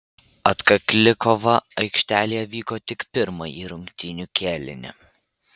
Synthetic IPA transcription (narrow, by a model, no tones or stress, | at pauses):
ɐt̪kɐklʲɪkɔʋɐɐɪkʃʲt̪ʲæːlʲijɛʋʲiːkoːt̪ʲɪkpʲɪɾmɐjiːɾʊŋʲkt̪ʲɪnʲukʲeːlʲɪ̰nʲɪ̰